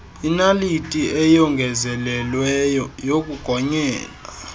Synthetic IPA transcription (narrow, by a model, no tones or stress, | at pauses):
inalitʼiʔɛjɔŋɡʱɛzɛlɛlwɛjɔjok̬ʼuɡ̥ʱɔɲɛːla